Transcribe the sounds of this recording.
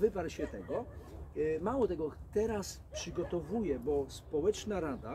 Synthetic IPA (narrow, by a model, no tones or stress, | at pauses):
vɘpaɾɕɛt̪ɛɡɔ | mawɔt̪ɛɡɔt̪ɛɾas | pʂɘɡɔt̪ɔvujɛbɔspɔwɛt͡ʂnaɾad̪a